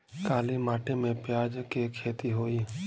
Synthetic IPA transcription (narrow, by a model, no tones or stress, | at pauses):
kaːlimaːʈemẽpjaːd͡ʒkekʰeːt̪iɦoːiː